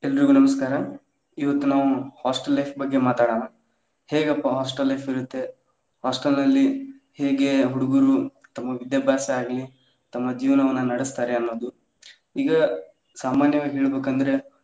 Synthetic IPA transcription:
ɛlːɐɾiɡunɐmɐskaːɾɐ | iʋɐt̪ːunaːʋuhaːsʈɐlːɐjpʰbɐɡːe̞maːt̪aːɽaːnɐ | he̞ːɡɐpːɐɦaːsʈɐlːɐjpiɾut̪ːe̞ | haːsʈɐlnɐlːi | heːɡe̞ɦuɽuɡuɾu | t̪ɐmːɐʋid̪jɐbʱjaːsɐaːɡli | t̪ɐmːɐd͡ʒiːʋɐnɐʋɐnːɐːnnɐɽist̪aːɾeɐnːo̞ːd̪u | iːɡɐ | saːmaːnjɐʋaːɡɦeːɭbeːkɐnd̪ɐɾe̞

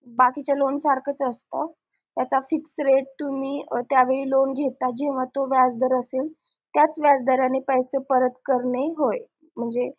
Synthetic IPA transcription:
bakit͡ɕalonsaɾkʰət͡səst̪a | t̪jat͡safiksɾeʈ̚t̪umiːt̪jaʋeɭiːlonɡʱet̪ad͡ʑeʋ̤at̪oʋjad͡zd̪ʱəɾəsel | t̪jat͡sʋjad͡zd̪əɾanepəjsepəɾət̪kəɾɳeɦoje | m̤əɳd͡ze

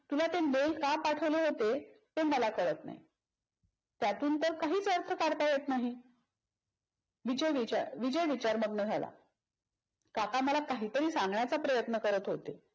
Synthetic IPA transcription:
t̪ulat̪enelkapaʈʰəʋleɦot̪e | t̪eməlakəɭət̪na̰ɦḭ | t̪jat̪uːnt̪əɾkaɦiːt͡səɾt̪ʰəkaɽt̪ajet̪naɦi | ʋid͡ʑəjʋiaʋid͡ʑəjʋit͡ɕaɾməɡnəd͡zʱala̰ | kakaməlakaɦiːt̪əɾiːsãŋɡɳjat͡sapɾəjət̪nəkəɾət̪ɦot̪e

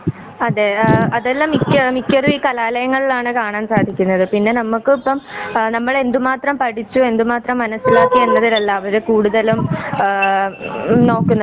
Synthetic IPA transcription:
ɐðeːɐðelːɐmːikʲːɐmːikʲːɐruʋiːkɐlaːlɐjɐŋːɐɭilaːɳɨkaːɳaːnsaːd̪ʱikʲːunːɐðɨpinːe̞nɐmːukːɨipːɐmnɐmːɐɭe̞nd̪umaːt̪rɐmpɐʈit͡ɕːue̞nd̪umaːt̪rɐmːɐnɐsilaːkːienːɐðilelːaːʋɐðɨkuːɽuðɐlum | no̞ːkːunːɐ

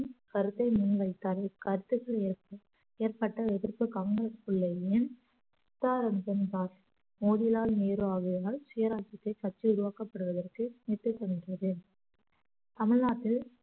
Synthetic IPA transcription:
kɐɾɯt̪ːɐɪmʊnʋɐɪt̪ːaːɾɐɪkɐɾɯt̪ːɯɣɐɭeːrp | eːrpɐʈːɐɛðɪɾpɯkaːŋɡɾɐspʊɭːɐɪn | ɪt̪ːaːɾɐmbɐnd̪aːɾ | moːðɪlaːlneːɾʋaːɣɯjaːlsʊjɐɾaːt͡ʃɪt̪ːɐɪkɐʈt͡ʃːiʊɾʊʋaːkɐpːɐɽɯʋɐðɐrkɯnɪt̪ːɯsɛndrɐðɯ | t̪ɐmɪɻnaːt̪ːɪl

